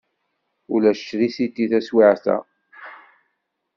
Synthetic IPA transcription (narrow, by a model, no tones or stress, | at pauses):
ulæʃt͡ʃːɾisit̪ːiθæswiʕθæ̰